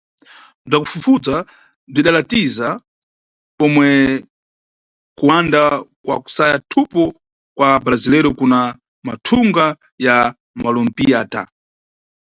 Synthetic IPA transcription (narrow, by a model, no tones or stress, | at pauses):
b͡ʐakufufut͡sa | b͡ʐiɗalatiza | pɔmwɛ | kuwandakwa̰ku̥sajatʰupɔ | kwabɾazilɛɾɔkuna | ma̰tʰuŋɡa | ja | malɔm̩piata̰